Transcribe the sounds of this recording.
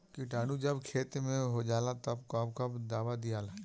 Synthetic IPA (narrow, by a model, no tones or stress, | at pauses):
kiʈaːnud͡ʒɐbkʰeːt̪mẽɦod͡ʒaːlat̪ɐbkɔːbkɐbd̪aːʋad̪ijaːla